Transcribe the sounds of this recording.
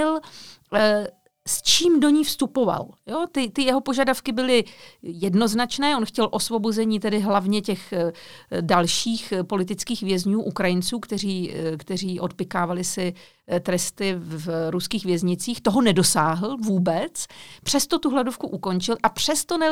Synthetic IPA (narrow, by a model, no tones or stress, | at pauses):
ɪl | st͡ʃiːmdo̞ɲiːfst̪upo̞va̰ljot̪ɪt̪ɪjɛɦo̞po̞ʒadafkɪbɪlɪjɛdno̞znat͡ʃnɛːʔo̞nxcɛlʔo̞svo̞bozɛɲiːt̪ɛdɪɦlavɲɛcɛx | dalʃiːxpo̞lɪt̪̬ɪt͡skiːxvjɛzɲuːʔukɾajɪnt͡suːkt̪ɛriːkt̪ɛr̝iːʔo̞t̪̚pɪkaːvalɪsɪ | t̪ɾɛst̪ɪvvɾuskiːɣvjɛzɲɪt͡siːxt̪o̞ɦo̞nɛdo̞saːɦl̩vuːbɛt͡spr̝̥ɛst̪o̞t̪uɦladofkuʔuko̞nt͡ʃɪlʔapr̝̥ɛst̪onɛ